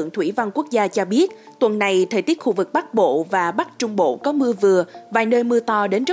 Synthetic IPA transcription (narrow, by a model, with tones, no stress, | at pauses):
əŋt̪ʰwi˧˩va˧nku˦˥ək̚zaː˧t͡ɕɔ˧ɓi˦˥ət̚ | t̪wə˨˩nːa˨˩jt̪ʰəː˨˩jt̪i˦˥t̚xu˧vɨ˨˩k̚ɓa˦˥t̚ɓo̰˧˨vaː˨˩ɓa˦˥t̚t͡ɕʊ˧ŋ͡mɓo̰˧˨kɔ˨˦mɨ˧əvɨ˨˩əvaː˨˩jnəː˧jmɨ˧ət̪ɔ˧ɗe˨˦nzə˦˥